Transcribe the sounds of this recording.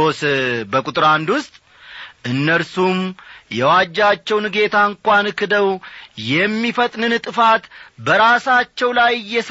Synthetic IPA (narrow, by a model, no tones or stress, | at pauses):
osbəkʼut̪ʼɨɾand̪wʊst̪ʼ | ʔɨnːəlsumjɛwad͡ʒːat͡ʃːɛwnɡe̞t̪ʰaŋkʷʼanɨkʰːɨd̪əwjɛmːifət̪ʼnɨnt̪ʼɨfat̪bəɾasat͡ʃːɛwlajːɛs